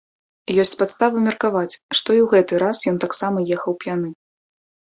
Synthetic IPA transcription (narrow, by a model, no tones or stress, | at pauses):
jɔsʲt͡sʲpat̪st̪avɨmʲɛrkavat͡sʲʂt̪ɔiwɣɛt̪ɨɾasjɔnt̪aksamɐjɛxɐwpʲjanɨ